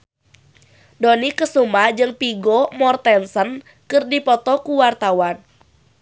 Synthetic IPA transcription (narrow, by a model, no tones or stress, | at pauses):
donikəsumad͡ʒɨŋpiɡɔmɔrt̪ɛnsən | kɨrdipɔt̪ɔkuwart̪awan